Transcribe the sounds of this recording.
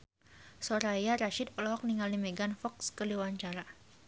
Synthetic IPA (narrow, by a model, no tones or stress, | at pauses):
soɾajaɾaʃɪd̪ɔlɔɦɔk̚niŋalimeɡanfɔkskəliwaɲt͡ʃaɾa